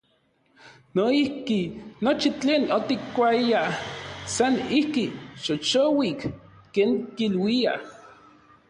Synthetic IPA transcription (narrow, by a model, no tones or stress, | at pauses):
noihkinot͡ʃit͡ɬeːnot̪ikːʷaiasanihkiʃot͡ʃowik | keːŋkilwia